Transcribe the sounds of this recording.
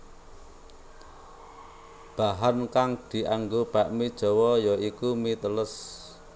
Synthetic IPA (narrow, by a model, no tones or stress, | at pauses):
b̥aɦankaŋd̪̥i̤ʔaŋɡob̥aʔmid̥ʒ̥ɔ̤wɔjɔikumit̪ələs